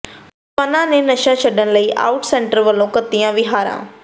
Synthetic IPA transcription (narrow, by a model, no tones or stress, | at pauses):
pɐnãːnenɐʃãt͡ʃʰɐɖənləiːʔa̰ːʊʈsɛ̃ːɳʈəɾʋɐlõkɐt̪ijãʋɪɦaːɾã̰ː